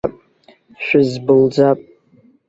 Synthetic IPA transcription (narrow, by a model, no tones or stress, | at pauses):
pʼ | ʃᶣɪzbɨld͡zapʼ